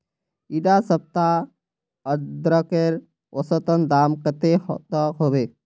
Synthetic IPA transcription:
iɖasəp̚t̪a | əd̪ɾəkeɾ | ɔsɔt̪ənd̪amkət̪ehɔt̪ɔkɦobe

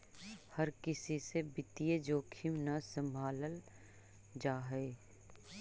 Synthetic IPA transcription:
hɐɾkɪsisebɪt̪ijed͡ʒoːkʰimnɐsə̃mbʱaːləl | d͡ʒaːɦeː

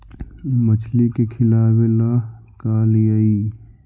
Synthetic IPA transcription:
mət͡ʃʰlikekʰɪlaːwela | kaːlijaiː

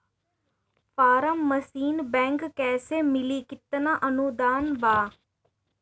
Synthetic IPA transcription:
faːɾəmːəsiːnbɛ̃ːŋkːɛːseːmɪliːkɪt̪naʔənud̪aːnbaː

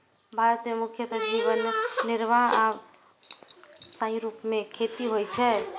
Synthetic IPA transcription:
bʱaɾət̪jemukʰjət̪əd͡ʒibənniɾbʱaa | saĩɾupmekʰet̪iɦojt͡ʃʰɛ

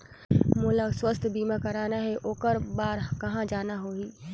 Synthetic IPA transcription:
mʊːləkswəst̪ʰbiːmakɐɾaːnaɦɛʔoːkəɾbaːɾkɐɦãd͡ʒaːnaɦoːiː

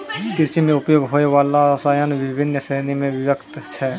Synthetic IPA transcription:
kɪsimẽʊpjoːɡɦoːeʋaːlasajənʋɪbʱɪnːəsɾenimẽʋɪʋəkt̪t͡ʃʰɛ

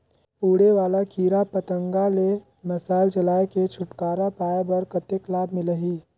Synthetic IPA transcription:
uːɽeʋaːlakʰiːɾapət̪ə̃ŋɡale | mɐsaːɪlt͡ʃɐlaːeket͡ʃʰʊʈkaːɾapaːjabɐɾkət̪eklaːb̚mɪləɦiː

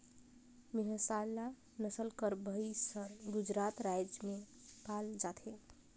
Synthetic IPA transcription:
meɦəsala | nəsəlkəɾbʱəisəɾɡud͡ʒɾat̪ɾajd͡ʒme | kald͡ʒat̪ʰe

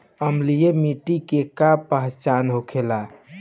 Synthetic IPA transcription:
əmlijemiʈikekapəɦt͡ʃanɦokʰela

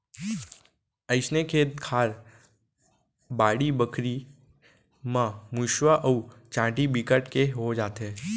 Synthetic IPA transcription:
əɪsnekʰeːt̪kʰaːɾ | baːɽibəkʰɾi | mãmuʃwaʔəut͡ʃãːʈibikəʈkeɦod͡ʒaːt̪ɦeː

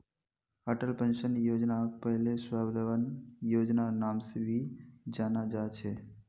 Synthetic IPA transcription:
əʈəlpẽnʃənjoːd͡ʒnak̚pəɦlesʋabləʋənjoːd͡ʒnanaːmsebʱid͡ʒaːnad͡ʒat͡ʃʰe

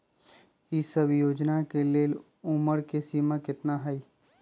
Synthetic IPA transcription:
isəbjoːd͡ʒnakeleːl | ʊməɾkesiːmakɪt̪naɦɛi

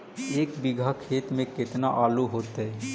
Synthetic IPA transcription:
eːkbɪɡʱakʰeːt̪mẽkɪt̪naʔaːluɦoːt̪ɦɛ

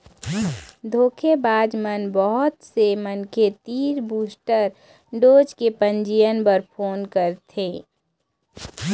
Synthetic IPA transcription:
d̪ʱoːkʰebaːd͡ʒmənbɔɦʊt̪semənkʰet̪iːɾbuːsʈəɾ | ɖoːd͡ʒkepə̃ɲd͡ʒijənpəɾpʰoːnkəɾt̪ʰeː

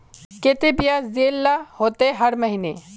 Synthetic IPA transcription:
ket̪ebijazeːlːahoːt̪eɦɐɾmɐɦine

